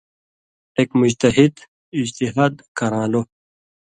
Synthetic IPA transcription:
eːkmʊd͡ʑt̪ɐɦid̪ | ɪd͡ʑt̪iɦaːd̪kɐɾãːlo

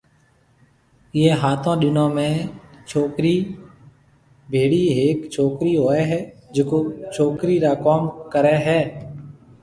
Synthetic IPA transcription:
ɪjeːɦaːt̪ʰõːɗɪnõːmẽːt͡ʃʰoːkɾiː | bʱeːɽiːɦeːkt͡ʃʰoːkɾiːɦoːeːɦɛːd͡ʒɪkoːt͡ʃʰoːkɾiːɾaːkoːmkəɾɛːɦɛː

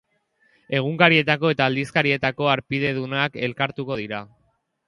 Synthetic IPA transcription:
e̞ɣ̞uŋkaɾie̞t̪ako̞e̞t̪aːld̪iskaɾie̞t̪ako̞aɾpiðe̞ð̞unake̞lkaɾt̪uko̞ð̞iɾa

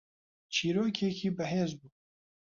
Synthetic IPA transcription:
t͡ʃʰiːɾoːkʰekʰiːbɨɦeːzbuː

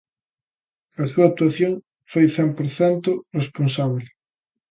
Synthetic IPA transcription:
ɐsuɐak̚t̪uaθjoŋ | fojθɛmpoɾθɛnt̪ʊresponsaβ̞l

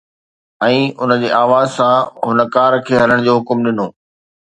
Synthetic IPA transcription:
ɛ̃ːʊnə̆d͡ʑeːʔaːʋaːzsãɦʊnəkaːɾkʰeːɦɐləɽ̃d͡ʑoːɦʊkmɗɪnoː

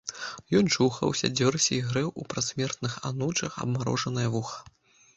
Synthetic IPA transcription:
jɔnt͡ʂuxɐ̰wsʲɐ̰d͡zʲɔrsʲɛiɣɾɛwʔupɾasʲmʲɛrt̪nɨxanɔt͡ʂɐxɐ̰bmaɾɔ̰ʐɐnɐjɐvuxɐ̥

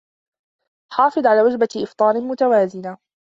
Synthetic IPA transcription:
ħɑːfɨd̪ˤʕalaːwad͡ʒbaʔɪft̪ˤɑːɾɪmʊt̪awaːzɪna

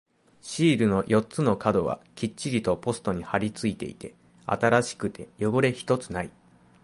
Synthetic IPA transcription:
ɕiːɾɯ̟no̞jʔo̞tt͡sɨno̞kad̪o̞βa̰kʲit͡ɕt͡ɕːiɾʲit̪o̞po̞sɨ̥t̪o̞ɲ̟ihaɾʲit͡sɨit̪e̞ḭt̪e̞ | a̰t̪aɾaɕi̥kɯ̟t̪e̞jo̞ɡo̞ɾe̞çi̥t̪o̞t͡sɨnai

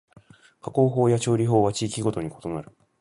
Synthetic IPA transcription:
kako̞ːɦo̞ːjat͡ɕo̞ːɾʲiɦo̞ːβat͡ɕiːkʲiɡo̞t̪o̞ɲ̟iko̞t̪o̞naɾɯ̟̥

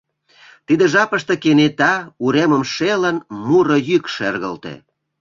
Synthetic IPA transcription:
t̪id̪ĕʒɑpəʃt̪ekenet̪ɑuɾeməmʃelənmuɾojykʃerɣə̰lt̪ḛ

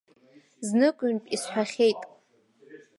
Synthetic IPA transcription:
znɨkʷʼynpʼisħʷᶣaχʲejtʼ

